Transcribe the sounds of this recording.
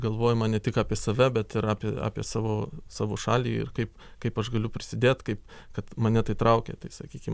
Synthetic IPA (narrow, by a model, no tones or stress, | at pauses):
ɡɐlˠʋoːjʊmɐnʲɛt̪ʲɪkɑːpʲiɛsɐʋʲɛbʲɛt̪ɪɾɑːpʲiɛɑ̰ːpʲiɛsɑːʋoːsɑːʋoːʃɑːlʲiːɪ̰rkɐɪp | kɐɪpɐʃɡɐlʲʊpʲɾʲɪsʲɪd̪ʲeːt̪kɐɪpkɐt̪mɐnʲɛt̪ɐɪt̪ɾɐʊkʲḛt̪ɐɪsɐkʲiːkʲɪm